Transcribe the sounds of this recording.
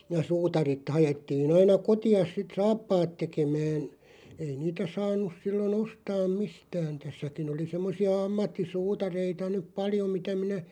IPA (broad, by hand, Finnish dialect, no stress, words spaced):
jɑ suːtɑrit hɑjetːiːn ɑinɑ kotiɑs sit sɑːpːɑːt tekemæːn ei niːtæ sɑːnˑus silːon ostɑːm mistæːn̞ tæsːækin oli semːosiɑ ɑmːɑtːisuːtɑreitɑ nyp̆ pɑljo mitæ minæ